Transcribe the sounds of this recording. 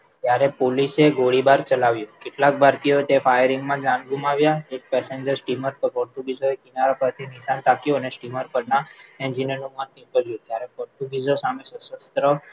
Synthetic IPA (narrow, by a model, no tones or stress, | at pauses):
t̪jaɾepoliseɡoɽibaɾt͡ʃəlaʋjũkɪʈlak̚bʱaɾt̪ijoet̪efajəɾiŋɡmãd͡ʒãnɡumaʋjaek̚pɛseɲd͡ʒəɾsʈiməɾpəpəɾʈ̪ubizoekinaɾapəɾt̪ʰiniʃant̪akjoənesʈiməɾpəɾnaɛ̃nd͡ʒinənũmant̪ĩpəd͡ʒjũt̪jaɾɛpəɾʈ̪ũbizosamẽsəsəst̪ɾə